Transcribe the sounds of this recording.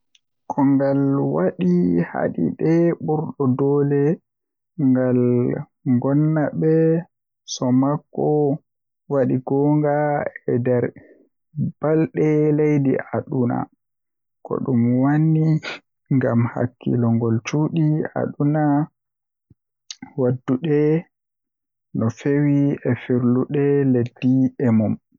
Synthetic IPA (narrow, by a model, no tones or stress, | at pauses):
kʰɔŋɡalwaɗiha̰ɗḭɗɛɓuɾɗɔdɔːlɛ | ŋɡal | ŋɡɔnːaɓɛ | sɔmakːɔ | waɗiɡɔːŋɡaɛdɛɾ | b̥alɗɛlejdḭʔaɗuna̰ | kɔ̰ɗumwanːi | ŋɡamha̰kːḭlɔŋɡɔlt͡ʃuːɗia̰ɗuna | wadːuɗɛ | nɔfewiɛfiɾluɗɛledːiɛmum